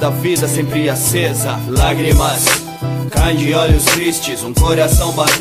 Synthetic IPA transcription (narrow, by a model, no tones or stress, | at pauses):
d̪ɐvid̪ɐsẽpɾiɐsezɐ̰laɡɾimɐs | kaj̃d͡ʒɪɔʎʊst̪ɾist͡ʃɪzũkoɾasɐ̃w̃ba